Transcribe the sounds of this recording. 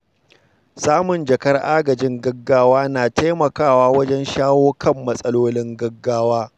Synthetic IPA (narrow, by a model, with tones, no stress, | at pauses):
saː˦mʊ˨nd͡ʒɐ˨kɐ˦rʔaː˦ɡɐ˨d͡ʒɪ˦ŋɡɐ˦ɡːaː˦waː˦naː˨te˦mɐ˨kaː˦˨waː˦wɐ˦d͡ʒɛ˦nʃaː˦woː˦kʰɐ˦˨mːɐ˦sʼɐ˦loː˦lɪ˦ŋɡɐ˦ɡːaː˦waː˦